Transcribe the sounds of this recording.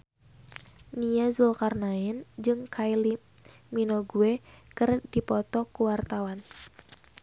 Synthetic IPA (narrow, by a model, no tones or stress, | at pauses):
nijazulkarnaɪnd͡ʒɨŋkʰajli | minoɡuekɨrdipɔt̪ɔkuwart̪awan